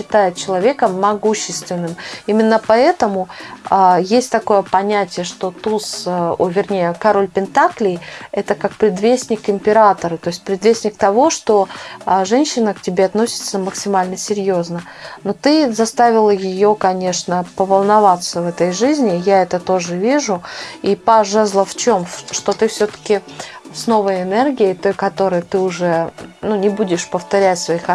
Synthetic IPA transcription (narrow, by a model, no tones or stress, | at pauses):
ɪt̪ajɪt̪̚t͡ɕɪlˠɐvʲe̞kəmːɐɡuɕːɪst̪vʲɪnːɨmimʲɪnːəpɐɛt̪əmʊajesʲtʲt̪ɐko̞jəpɐnʲætʲɪjəʂt̪o̞t̪usovʲɪrnʲejəkɐɾo̞lʲpʲɪnt̪aklʲɪjɛt̪əkakpɾʲɪd̪vʲesʲnʲɪkɪmʲpʲɪɾat̪əɾət̪o̞jɪsʲt̚ʲpɾʲɪd̪vʲesʲnʲɪk̚t̪ɐvo̞ʂt̪o̞ʐɛnʲɕːɪnəktʲɪbʲeɐt̪no̞sʲɪ̥t̪səməksʲɪmalʲnəsʲɪɾʲjoznə | not̪ɨzɐst̪avʲɪlˠəjɪjokɐnʲe̞ʂnəpəvəlˠnɐvat̪səvɛt̪əjʐɨzʲnʲɪjaɛt̪ət̪o̞ʐɨvʲiʐʊipɐʐɛzlˠəft͡ɕo̞mʂt̪o̞t̪ɨfsʲot̪ə̥kʲɪsno̞vəjɪnɛrɡʲɪɪt̪o̞jkɐt̪o̞ɾɨjt̪ɨʊʐɛnunʲɪbudʲɪʂpəft̪ɐɾʲætʲsvɐix